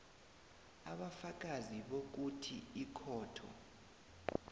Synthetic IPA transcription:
aɓafak̬ʼaziɓok̬utʰiikʰɔːtʰɔ̰

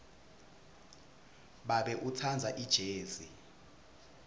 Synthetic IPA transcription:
ɓaɓɛʔut͡sʰand͡zʱaʔid̥ʒ̥ʱeːzi

